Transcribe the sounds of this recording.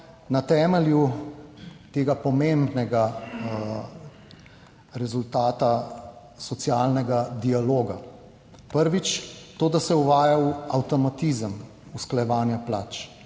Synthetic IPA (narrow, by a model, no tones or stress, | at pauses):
nat̪ɛːmɛlju | t̪eːɡapɔmembnɛɡa | ɾɛzult̪aːt̪a | sɔt̪sjaːlnɛɡad̪ialoːɡa | pəɾʋit͡ʃt̪oːd̪asɛuʋaːjawawt̪ɔmat̪iːzəm | usklajɛʋaːnjaplaːt͡ʃ